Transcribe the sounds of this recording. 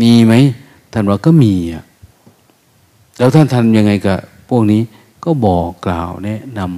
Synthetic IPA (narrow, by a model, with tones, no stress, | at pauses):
niː˧˩ma˦˥j | t̪ʰa˥˩nwaː˧˩kaː˧˥˩miː˧a˨˩ | lɛː˦˥wt̪ʰa˥˩nt̪ʰa˧˥˩nja˧ŋːa˧jka˧˩pʰu˥˩ək̚niː˦˥ | kɔː˥˩bɔː˨˩kːla̰ː˨˩wnɛ˦˧˥ʔna˧m